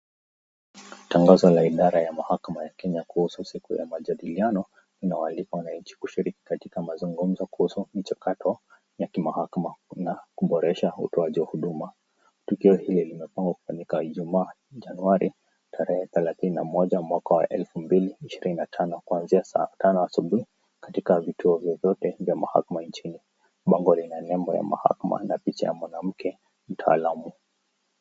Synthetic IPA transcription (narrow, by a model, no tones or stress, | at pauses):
taŋɡazɔlaiɗaɾajamahakamajakɛɲakuhususikuja̰maʄaɗilianɔ | linaɔalikawanaɲ̩t͡ʃi̥kuʃiɾiki̥katikamazuŋɡum̩zɔkuhusumit͡ʃakatʰɔ | jakimahakamanakuɓɔɾɛʃaṵtɔaʄiwahuɗuma | tukiɔhililimɛpaŋɡwaku̥faɲikaʄumaː | ʄanuaɾi | tʰaɾɛhɛθɛlaθinina̰mɔʄamwakawa̰ʔɛlfumbiliːʃiɾininatʰanɔkuanziatanɔasuɓuhi | kḁtikavitʰuɔvjɔvjɔtɛvjamaha̰kamant͡ʃini | ɓaŋɡɔlinanɛmbɔja̰ma̰ha̰kama̰napit͡ʃa̰ja̰mwanam̩kʰɛ | m̩tʰa̰ːlamu